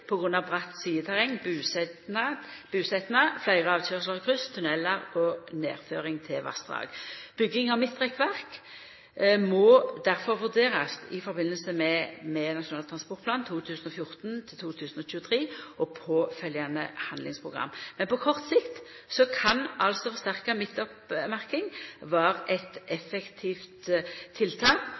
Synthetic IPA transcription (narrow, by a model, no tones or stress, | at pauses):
pʰɔɡʁʉnːɑʋbʁɑt̪ːsiːət̪ʰæʁɛŋːbʉːsɛnɑb̥ʉːsɛt̪nəflæɪʁəɑːʋʃøːʁʂləʁkʰʁʉst̪ʰʉnɛlːəʁɔnḛːʁføːʁɪŋt̪ʰɪlʋɑ̰sd̪ʁɑ̰ːɡ̥b̥ʏɡːɪŋɑʋmɪt̪ːʁɛkʋæʁk | mɔd̪æʁfɔʁʋʉʁd̪eːʁəsɪfɔbɪnːəlsəmɛmɛnɑʃʊnɑːlət̪ʰʁɑnspɔʁt̪̚pʰlɑːnt̪ʰuːt̪ʰʉːsənɔfjʊʁt̪nt̪ʰɪlt̪ʰuːt̪ʰʉːsn̩ɔçʉːət̪ʰʁiːʔɔpʰɔfœljɑnə̰hɑnd̪lɪŋspʰʁʊɡʁɑ̰mːmːɛnpɔkʰɔʁt̪sɪkt̪sɔkʰɑnɑlsɔfɔʁst̪æʁkɑmɪt̪ːɔpmæʁkɪŋʋæːɾʔɛt̪ɛfɛkt̪ʰiːft̪ʰːɪlt̪ʰɑːk